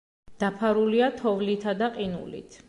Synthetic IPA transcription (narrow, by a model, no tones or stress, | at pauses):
d̪̥apʰaɾuliat̪ʰɔvlit̪ʰad̪aqʼinṵlḭt̪ʰ